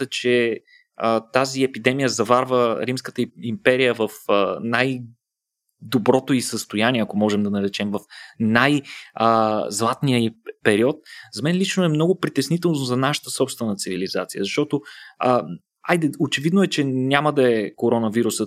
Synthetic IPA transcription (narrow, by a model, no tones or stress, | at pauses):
ət͡ʃɛ | ət̪aziɛpid̪ɛmijəzɐvaɾvəɾimskə̥t̪əimpɛɾijəvəfənaj | d̪obɾɔt̪oisəst̪ojaniɛɐkomɔʒɛmd̪ɐnɐɾɛt͡ʃɛmvɐfnajəzlˠat̪nijəpɛɾiɔt̪̚zɐmɛnlit͡ʃnoɛmnɔɡʊpɾit̪ɛsnit̪ɛlˠnozɐnaʃə̥t̪əsɔpst̪vɛnət̪sivilizat̪sijəzɐʃt̪ɔt̪oə | ajd̪ɛot͡ʃɛvid̪noɛt͡ʃɛnʲaməd̪ɐɛkoɾɔnəviɾusə